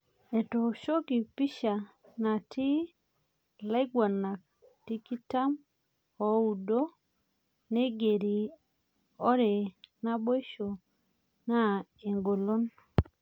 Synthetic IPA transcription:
e˨to˨ʃo˦ki˨pi˦ʃa˨ | na˨ti˦ | la˦ɪ˦ɡwa˨na˨k̚ti˦ki˦ta˦m | ɔ˨u˨do˦ | ne˦ɡe˨ɾi˨ | ɔ˦ɾe˨na˦bo˦i˦ʃo˨ | na˦e˨ŋɡo˨lo˦n

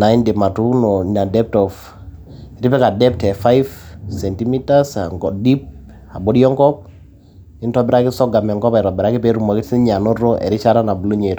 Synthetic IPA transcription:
na˨i˦nde˨ma˨tu˦nɔna˨dɛ˦p̚tɔ˨f | ɾi˦pɛ˦ka˨dɛ˦p̚tɛ˨fa˦jfsɛ˨nti˦mi˦tasaŋɔdi˦p̚ | a˨bɔ˦di˦ɔ˦ŋkɔ˦p̚ | ɪ˦ntɔ˨˦bɛ˦ɾa˦kɪ˦sɔ˦ɡa˨mɛ˨ŋkɔ˦pa˨ɾɔ˨bɛ˨ɾa˦kɪ˦pe˦ɾu˨ma˨kɪti˦ɲa˨nɔ˦ɾɔ˦ʔɛ̰˨ɾɪ˦t͡ʃa˦ɾa˦na˨bulo˦ɲe˨t

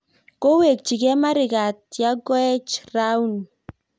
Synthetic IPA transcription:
ko˦we˨k̚t͡ʃi˨kɛ˦ma˦ɾɪ˨ka˨t̚ja˦ɡɔ˦ɛ˦t͡ʃra˦u˦n

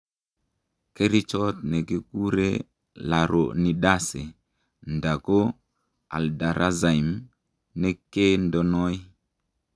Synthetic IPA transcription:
ke˦ɾi˦t͡ʃo˦t̚ne˨ki˦ku˦ɾe˦ | la˨ɾo˨ni˨ɗa˦se˨ | nda˨ko˦ | a̰˨lda˨ɾʔa˦za˨jm | ne˦ke˦ndo˨no˦j

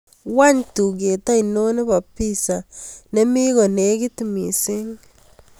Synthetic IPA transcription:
wa˦ɲtu˨ɡe˨ta˦ino˦ne˦ba˨pːi˦sa˨ne˦mi˦ɣo˨ne˦ɡi˦ti˨mi˨se˦ŋ

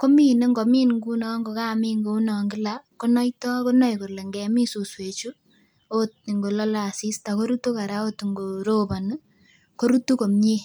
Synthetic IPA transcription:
ko˦mi˦ne˦ŋɡo˨miː˦nŋɡu˦nɔ˨ŋɡo˨ka˦˨mi˦ŋɡo˦u˦nɔ˨ŋɡɪ˦la˨ko˦nɔ˦jtɔ˦ko˦nɔ˦jko˨le˨ŋɡɛ˨mi˦su˨swe˨t͡ʃu˦ | o˦t̚ni˨ŋɡo˨lɔ˦la˨si˦sta˨ko˦ɾu˦tu˦ka˨ɾa˦o˦tŋɡo˨ɾo˦ba˨n˦ | ko˦ɾu˦tu˦ko˨mɲi˦

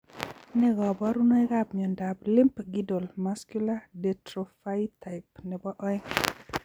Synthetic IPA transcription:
nɛ˦ɡɔ˨bɔ˦ɾu˦no˦ɛ˦ɡabmi˨ɔ˨nda˨bli˦mpɡi˦do˨lmaskjuladɛtɾo˨fa˦jtʰa˨ɪpnɛ˨bɔ˦ʔɔ˦ɛ˦ŋ

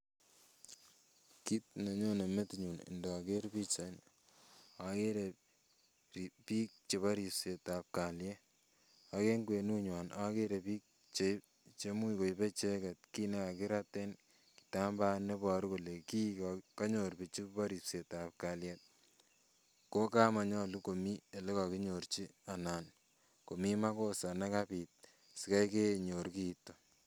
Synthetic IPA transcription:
ki˦t̚ne˨ɲo˦ne˨me˦tɲu˨nɪ̰˨ndɔ˨ke˦ɾbi˦t͡ʃa˨n | a˨ke˦ɾe˨ | pi˦k̚t͡ʃe˨βa˦ɾi˨pse˨ta˨p̚ka˨ljɛ˦ | a˨ke˦ŋɡwe˨nu˦ɲwa˨na˦ke˦ɾe˨biː˦k̚ | t͡ʃe˨ | t͡ʃe˦mu˦iko˨jbe˦t͡ʃe˦kɛ˨t̚ki˦ne˦a˨kɪ˦ɾa˦te˦n | ki̥˨ta˦mba˦ne˦bɔ˨ɾko˨le˨ki˦kka˦ɲo˨ɾbi˨t͡ʃi˦ba˦ɾi˨pse˨ta˨p̚ka˨ljɛ˦t̚ | ko˦ka˦ma˨ɲɔ˦lu˦ko˨mi˦e˨le˦ka˨ki˦ɲo˨ɾt͡ʃi˦a˨na˨n | ko˨mi˦ma˦ko˦sa˨na˦kabi˨t̚ | si˨ka˦jke˦ɲo˨ɾki˦tːo˨

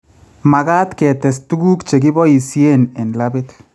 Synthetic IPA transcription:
ma˨ɣa˦t̪kɛ˨t̪ɛ˨s̬t̪u˦ɡu˦kt͡ʃe˨ɡi˦bɔ˦i˨sje˦nɛ˨nlabɪt̪

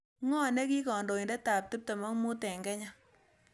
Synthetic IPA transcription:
ŋɔ˦˨nɛ˦ki˦kɔ˨ndo˨i˨ndɛ˦ta˨p̚tɨ˦p̚tɐ˨mɔ˦ŋmu˦tɛ˨ŋɡɛ˦ɲa˦

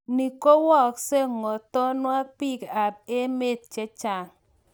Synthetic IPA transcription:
ni˨ko˦wɔ˦˨kse˦ŋɔ˨tɔ˦nwa˦pi˦ka˨be˦me˦˨t̚t͡ʃe˦t͡ʃa˨ŋ

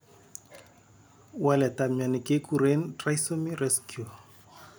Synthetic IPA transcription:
wa˦lɛ˨tamja˨ni˨ke˦kʰu˨ɾe˦ntra˦iso˦mi˦ɾɛskju˨

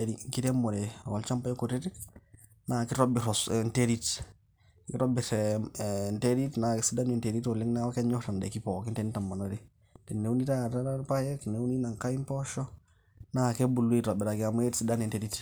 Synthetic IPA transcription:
ɾiŋki˦te˦mo˨ɾewa˨lt͡ʃa˦mpa˦je˦ku˨ɾe˦ɾi˦k | naki˦ɾobi˨ɾɔsnteɾit | kḭ˦ɾo˦bi˨ɾ | nteɾitnaksi˦da˦ni˨nte˨ɾi˦tu˨li˦ŋnawkɛ˦ɲɔ˦ta˨ndɛ̰˨kipɔ˨ki˦nte˦ni˦ta˨mːa˨noɾi | te˨ne˦u˦ni˦ta˦tapa˦je˦ki˨ne˦wu˦ni˦na˨ŋka˦i˦mpɔʃɔ | nake˦bu˨lːu˦ito˨biɾa˨ki˦am˦e˦tsida˦ni˨nte˨ɾi˦t

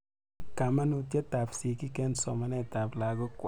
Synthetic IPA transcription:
ka˨ma˦nu˨tje˦ta˨psi˨ki˦kɛ˦nsɔ˨ma˨nɛ˦˨ta˨pla˨ko˦kʷ

